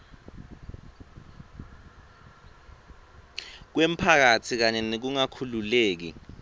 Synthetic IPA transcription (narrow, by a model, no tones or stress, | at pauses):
k̬wem̩pʰak̬atʰik̬aɲɛnek̬uŋakʰululeːk̬ḭ